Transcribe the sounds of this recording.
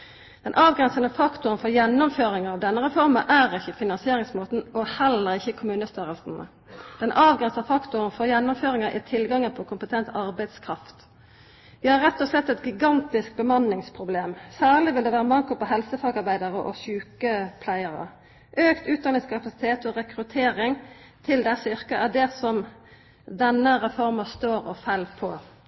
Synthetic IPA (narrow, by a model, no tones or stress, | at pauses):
d̪̥ɛnʔɑːʋɡɾɛnsənəfɑkt̪ʊɾənfɔɾjɛnːɔmføːɾɪŋəʁɑːʋd̪ɛnːəʁɛfɔʁməʔæːɾɪçəfɪnɑnsɪeːɾɪŋsmoːt̪n̩ɔhɛlːəɾɪçːəkʰʊmʉːnəst̪ʏɾəlsn̩ə̰ | d̪̥ɛnʔɑːʋɡɾɛnsɑfɑkt̪ʊɾənfɔjɛnːɔmføːɾɪŋəʔɪ̰t̪ʰɪlɡɑŋːəpʰɔkʰʊmpət̪ʰɛnt̪ɑʁbæɪd̪skʰʁɑft̪ | ʋɪhɑɾɛt̪ːɔslɛt̪ːɛt̪ɡɪɡɑnt̪ɪsk̚bəmɑnːɪŋspʰɾʊbleːmsæːʁlɪʋɪld̪ɛʋæːʁəmɑŋkʊpɔɦɛlsəfɑːɡɑɾbæɪd̪əɾəʔɔ̰çʉːkəpʰlæɪəɾə̰ | ʔøːkt̪ʉːt̪̚d̪ɑnɪŋskʰɑpɑsɪ̥t̪ʰeːt̪ɔɾɛkɾʉt̪ʰeːɾɪŋ | t̪ʰɪld̪ɛsʏʁkəʔæd̪ɛsɔm | d̪ɛnːəʁɛfɔɾmɑst̪oːɾɔfɛlːpʰɔ